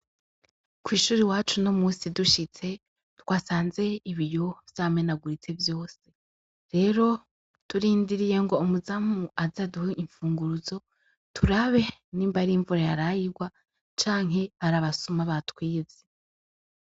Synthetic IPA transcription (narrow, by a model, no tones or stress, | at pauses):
kwiːʃuːɾiwaːt͡ʃuno̞muːsiduʃit͡se̞ | twaːsaːnze̞iβijo̞vjaːme̞naɡuɾit͡se̞vjo̞ːse̞ | ɾe̞ːɾo̞ | tuɾiːndiɾije̞ŋɡo̞ːmuzamuazaduheiɱfuːŋɡuɾuzo̞ | tʰuɾaβe̞niːmbaɾiiɱvuɾajaɾajiɾɡwa | t͡ʃaːŋɦe̞aɾaβasumaβatwiːz̥e